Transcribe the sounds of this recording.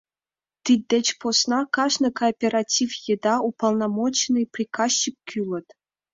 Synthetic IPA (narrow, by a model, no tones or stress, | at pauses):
t̪ʲid̚ʲdʲĕt͡ɕposnɑkɑʂnɤ̆koːpʲeɾatʲifjɘ̆d̪ɑupɑlˠnɑmot͡ɕnɤprʲikɑst͡ɕip̚ʲkʲʰylʲɤ̆t̪ʲ